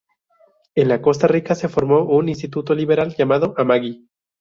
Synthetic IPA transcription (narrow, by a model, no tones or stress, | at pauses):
e̞nlako̞s̬t̪arikase̞fo̞ɾmo̞ʔunins̬t̪it̪ut̪oliβe̞ɾalʝamaðo̞ʔamaɣi